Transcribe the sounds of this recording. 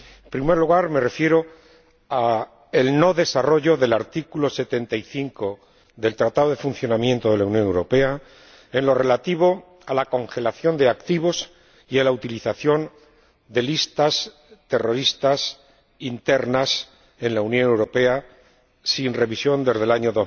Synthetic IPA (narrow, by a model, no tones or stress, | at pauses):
empɾime̞ɾluɣaɾme̞re̞fje̞ɾo̞ | a | elno̞ðe̞saro̞ʝo̞ðe̞laɾt̪ikulo̞se̞t̪e̞nt̪aiθiŋko̞ | ðe̞lt̪ɾat̪aðoðe̞fun̟θjo̞namjent̪o̞ð̞e̞launjo̞newɾo̞pe̞a | enlo̞re̞lat̪iβo̞ | alako̞ŋxe̞laθjo̞nd̪eakt̪iβ̞o̞s | ialaut̪iliθaθjo̞n | d̪e̞list̪as | t̪e̞ro̞ɾist̪as | int̪e̞ɾnas | e̞nlaunjõ̞newɾo̞pe̞a | sinre̞βisjo̞nd̪e̞zð̞e̞laɲo̞ðo